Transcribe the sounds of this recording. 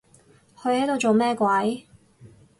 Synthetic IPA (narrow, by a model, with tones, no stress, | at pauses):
hʰɵ˨˧ɥhɐ˨˥jt̪o˨wt͡so˨wmɛː˥kwɐ˨˥j